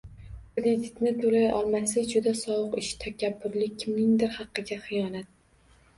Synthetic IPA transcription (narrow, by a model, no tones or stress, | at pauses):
kɾɪd̪ʲɪt̪nɪt̪ʰolajʔɒ̰lˠmaslɪd͡ʒʊd̪asɒwʊqɪʃt̪ʰakʲʰabːʊɾlɪkʲʰɪmnɪŋd̪ɪɾhɑqːɨɡʲaχɨjɒnat̪̚